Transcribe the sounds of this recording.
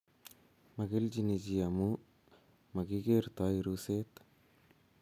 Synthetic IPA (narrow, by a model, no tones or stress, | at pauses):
mɐɡeld͡ʒinid͡ʒijamu | mɐɡiɡeɾt̪aiɾuset̪